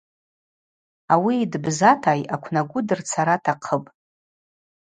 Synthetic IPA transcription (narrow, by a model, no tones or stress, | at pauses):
awiːdbzatʰajakʷʰnaɡʷʊdɨrt͡sʰaɾatʰaqʰəpʼ